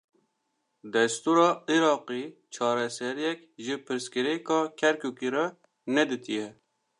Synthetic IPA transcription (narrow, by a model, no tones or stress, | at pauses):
d̪ɛst̪uɾɑːiɾɑːqit͡ʃʰɑːɾɛsɛɾijɛk | ʒɪpʰɨɾskɪɾekɑːkʰɛɾkukiɾɛ | nɛd̪it̪ijɛ